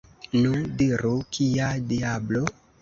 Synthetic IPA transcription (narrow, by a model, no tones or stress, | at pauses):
nundiɾukʰiadiablo